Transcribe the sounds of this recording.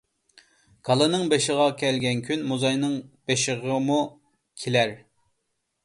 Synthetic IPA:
ɡ̥ɑlˠɨnɨŋbeʃɪʁɑkʲʰɛlɡʲɛnkʲʰynmuzɑjnɨŋb̥eʃɪʁəmu | kʲʰelæɾ

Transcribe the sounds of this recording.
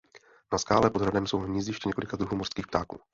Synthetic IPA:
naskaːlɛpod̪ɦɾadɛmso̞wnmɲizɪʃcɛɲɛko̞lɪkad̪ɾuɦuːmor̥skiːxpt̪aːkṵː

